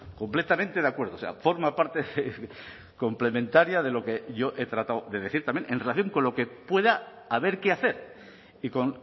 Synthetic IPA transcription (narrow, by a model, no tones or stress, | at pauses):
ko̞mple̞t̪amẽnt̪e̞ðakwe̞ɾð̞osea̰fo̞ɾmapaɾt̪e | ko̞mple̞mẽnt̪aɾjaðe̞lo̞ke̞ʝo̞ʔe̞t̪ɾat̪awðe̞ð̞eθiɾt̪amjenʔḛnrelaθjo̞ŋko̞nlo̞ke̞pwe̞ðaː | β̞e̞ɾkeaθe̞ɾ | iko̞n